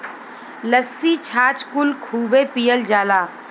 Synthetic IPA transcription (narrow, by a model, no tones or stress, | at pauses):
ləsːit͡ʃʰaːt͡ʃkʊlkʰuːbepijəld͡ʒaːlaː